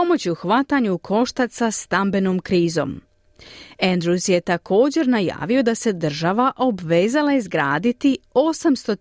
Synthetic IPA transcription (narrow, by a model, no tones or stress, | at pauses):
o̞mo̞t͡ɕiuxʋat̪aɲukʰo̞ʃt̪asast̪ambe̞nomkɾiːzo̞̰ːm | end̪ɾusje̞t̪akʰo̞ːd͡ʑe̞ɾnaja̰ːʋio̞d̪ase̞d̪r̩ʒaʋaʔo̞bʋeːzalaizɡɾaːd̪it̪io̞samst̪o̞